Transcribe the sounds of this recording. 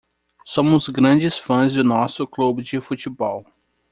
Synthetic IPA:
sõmʊzɡɾɐ̃d͡ʒɪsfɐ̃zd̪ʊnɔsʊklubɪd͡ʒɪfut͡ʃibɔw

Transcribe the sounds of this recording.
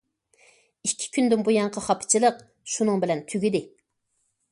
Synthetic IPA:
ikʲʰːi̥kʲʰynd̪ynbujɑŋqʰəχɑpʰɨ̥t͡ʃʰilˠəq̚ | ʃunɨŋbɪlɛnt̪ʰyɡʲid̪ɪ

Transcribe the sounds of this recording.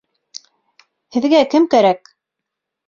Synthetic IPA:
hɘ̆ðɡækɘmkæɾæk

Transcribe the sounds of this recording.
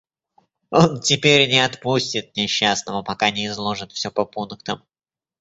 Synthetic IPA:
o̞ntʲɪpʲeɾʲnʲɪɐt̪pusʲtʲɪt̪̚nʲɪɕːasnəmʊpɐkanʲɪɪzlˠo̞ʐɨt̪fsʲɵpəpunkt̪əm

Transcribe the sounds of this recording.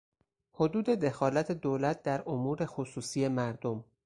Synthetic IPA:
ho̞d̪uːd̪e̞d̪e̞xɒːlæt̪ʰed̪oːlæt̪̚ʰd̪æɾʔomuːɾexosuːsiːje̞mæɾd̪o̞m

